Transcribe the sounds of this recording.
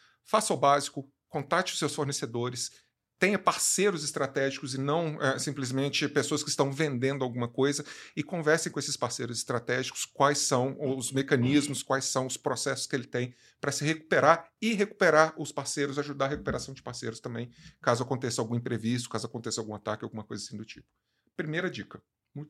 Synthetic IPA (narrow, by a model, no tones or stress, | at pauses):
fasawbazikʊ | kõnt̪at͡ʃɪʊsewsfoɾnesed̪oɾɪs | t̪ẽj̃ɐpaɾsejɾʊzɪst̪ɾat̪ɛʒikʊzɪnɐ̃w̃ɛsĩmplɪzmẽnt͡ʃɪpesoɐskɪːst̪ɐ̃w̃vẽnd̪ẽnd̪ʊawɡũmɐkojzɐɪkõvɛɾsẽj̃kõesɪspaɾsejɾʊzɪst̪ɾat̪ɛʒikʊ̥skwajsɐ̃w̃ʊzmekɐ̃nizmʊskwajsːɐ̃w̃ʊspɾosɛsʊ̥skɪelɪt̪ẽj̃ | pɾɐsɪɦeku̥peɾaɾɪɦeku̥peɾaɾʊspaɾsejɾʊzaaʒud̪aɐɦekupeɾasɐ̃w̃d͡ʒɪpaɾsejɾʊst̪ɐ̃mbẽj̃kazʊakõnt̪esɪawɡũĩpɾevis̬t̪ʊ̥kazʊakõnt̪esawɡũat̪akɪawɡũmɐkojzasĩd̪ʊt͡ʃipʊ̥ | pɾimejɾɐd͡ʒikɐ | u